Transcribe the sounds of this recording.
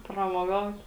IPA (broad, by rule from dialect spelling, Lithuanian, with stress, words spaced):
prɐmoːˈɡɐʊt